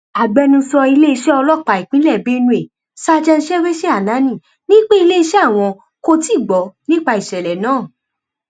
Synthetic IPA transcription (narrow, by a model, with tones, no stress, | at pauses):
a˨ɡ͡bɛ˨˧nũ˧sɔ˧i˧le˦i˧ʃɛ˦ɔ˧lɔ˦˨k͡pa˨i˨k͡pĩ˨˦lɛ˦˨be˦nũ˧˦e˦˨ | sa˦˧d͡ʒɛ˧n̩˦ʃɛ˦we˦ʃɛ˦a˦˨nã˨˦nĩ˦˨ | nĩ˦k͡pe˦i˧le˦i˧ʃɛ˦a˦˨w̃ɔ̃˧ | ko˦˧ti˦˨ɡ͡bɔ˨˦nĩ˦k͡pa˧i˨ʃɛ˨lɛ˨nãː˨˦˨